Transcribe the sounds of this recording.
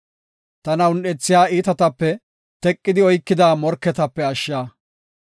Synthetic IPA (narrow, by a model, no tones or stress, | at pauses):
t̪ɐnɐʊnɗɛt͡sːɪjaːiːt̪ɐt̪ɐpːɛ | t̪ɛkʼːɪd̪ɪɔjkːɪd̪aːmɔɾkːɛt̪ɐpːɛɐʃːaː